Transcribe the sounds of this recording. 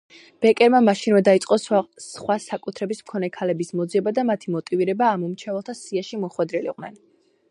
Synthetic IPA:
b̥ɛkʼɛɾmamaʃinvɛd̪ait̪sʼqʼɔsχwasakʼut̪ʰɾɛbismkʰɔnɛkʰalɛbismɔd̪ziɛbad̪amat̪ʰimɔt̪ʼiviɾɛbaːmɔmt͡ʃʰɛvɛlˠt̪ʰasiaʃimɔχwɛd̪ɾɛlḭqʼnɛ̰n

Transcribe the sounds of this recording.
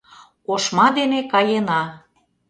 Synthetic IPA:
oʃmɑd̪enekɑjenɑ

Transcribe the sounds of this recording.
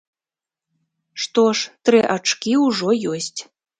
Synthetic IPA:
ʂt̪ɔʂt̪ɾɨʔat͡ʂkʲiuʐɔjɔsʲtʲ

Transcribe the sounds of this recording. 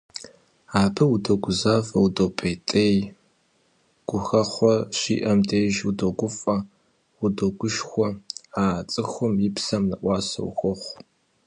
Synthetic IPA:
aːbɨwudoɡʷʊzaːfɐwudopʼeːtʼej | ɡ̥ʷʊxɐχʷɔɕḭːʔɐmdʰeːʒudoɡʷʊfʼɐ | wʊdoɡʷʊʃxʷɔaːt͡sʼɨxʷʊmjɪpsɐmnɐʔʷɑːsɐ̰w̰xɔχʷ

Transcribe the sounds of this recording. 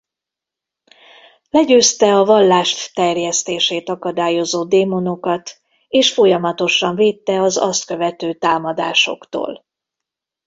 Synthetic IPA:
lɛɟøːst̪ɛɒvɒlːaːʃt̪ːɛrjɛst̪eːʃeːt̪ɒkɒd̪aːjo̞zoːd̪eːmo̞no̞kɒt̪ | eːʃfo̞jɒmɒt̪o̞ʃɒɱveːt̪ːɛɒzɒ̰st̪kø̞vɛt̪øːt̪aːmɒd̪a̰ːʃo̞̰kt̪o̰ːl

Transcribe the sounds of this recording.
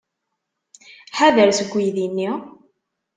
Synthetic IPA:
ħaðəɾsəɡʷːijðinːi

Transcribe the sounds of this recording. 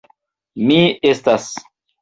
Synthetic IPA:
miestas

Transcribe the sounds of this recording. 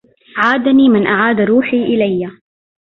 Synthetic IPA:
ʕaːd̪aniːmɪnʔaʕaːd̪ɾuːħiːʔɪlajːa

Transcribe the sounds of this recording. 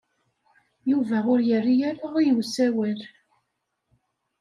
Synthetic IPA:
juvæʊɾjərːijæɾaʁijəwsæwæl

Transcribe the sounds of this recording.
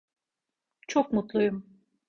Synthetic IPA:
t͡ʃʰok̚mut̪lˠujum

